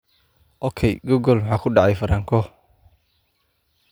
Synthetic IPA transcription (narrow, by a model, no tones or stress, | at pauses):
ʔɔkʰɛjɡɔɡɔlwʊħɑːkʰʊɖɑʕɑjfɐɾaːŋkʰɔ